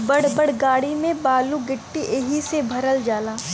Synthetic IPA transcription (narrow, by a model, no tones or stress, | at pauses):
bəɽ̤bəɽ̤ɡaːɽimẽbaːluɡɪʈːiʔeɦisebʱɐɾəld͡ʒaːlaː